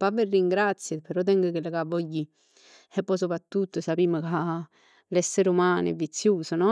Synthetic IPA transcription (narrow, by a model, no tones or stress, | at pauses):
paverːiŋɡɾat̪sːjəpeɾɔt̪ɛŋɡəkelakavːɔɟːi | epːɔjsopɾat̪ːut̪ːoesapiːməka | lɛsːeɾumaːnevːit̪sːjuːsonɔ